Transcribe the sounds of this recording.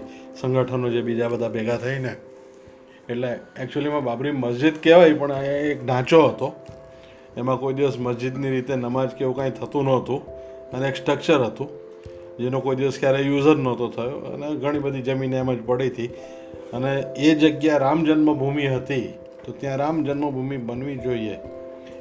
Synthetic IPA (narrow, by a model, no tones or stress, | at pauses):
sə̃ŋɡʱəʈʰənod͡ʒebid͡ʒabəd̪ʱabɛɡat̪ʰəine | eʈleɛk̚t͡ʃuəlimãbabɾiməsd͡ʒid̪keʋajipəɳekɖʱãt͡ʃoɦət̪o | emãkoid̪iʋəsməsd͡ʒid̪niɾit̪enəmad͡ʒkeʋũkãĩt̪ʰət̪ũnəɦt̪ũ | əneeksʈɾək̚t͡ʃəɾɦət̪ũ | d͡ʒenũkoid̪iʋəskjaɾejuzəɾnət̪ot̪ʰəjoə̰neɡʱəɽ̃ibəd̪ʱid͡ʒəmineemãd͡ʒpəɽit̪ʰi | əneːd͡ʒəɡjaɾamd͡ʒənməbʱumiɦət̪i | t̪ot̪jãɾamd͡ʒənməbʱumibənʋid͡ʒoie